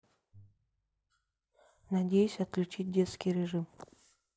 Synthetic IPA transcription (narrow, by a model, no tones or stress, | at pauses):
nɐdʲejʊsʲɐt̪̚klʲʉt͡ɕit̚ʲdʲe̞t̪skʲijɾʲɪʐɨm